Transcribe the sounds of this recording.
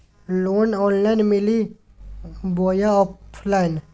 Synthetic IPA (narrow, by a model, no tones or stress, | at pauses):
loːnɔnlajnmili | boːjaɔppʰlajn